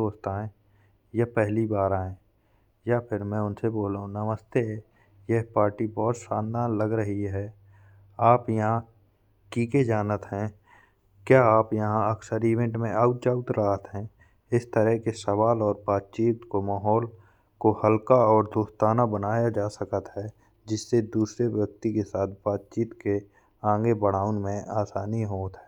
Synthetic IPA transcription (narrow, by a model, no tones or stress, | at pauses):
oːst̪aːẽ | jɐpɛɦlibaːɾaːẽ | japʰɪɾmɛ̃ʊnseboːlaɦũnəməst̪e | jeɦpaːɾʈibɔːt̪ʃaːnd̪ʱaːnləɡɾəɦiɦɛː | aːpjɐɦã | kiːked͡ʒaːnət̪ɦɛ̃ | kjaːaːpjɐɦãɐksəɾiːʋɛ̃ɳʈmẽʔaːʊt̪̚d͡ʒaːt̪ɾaːɦət̪ɦɛ̃ː | ɪst̪əɾɛɦkesəʋaːlɔːɾbaːt̪̚t͡ʃiːt̪komaːɦɔːl | kohəlkaɔːɾd̪oːst̪aːnabənaːjad͡ʒaːsəkət̪ɦɛ | d͡ʒɪsːed̪uːsɾebjək̚t̪ikesaːt̪ʰbaːt̪̚t͡ʃiːt̪ke | ãːŋɡebəɽ̤aːʊnmẽaːsaːniɦoːt̪ɦɛː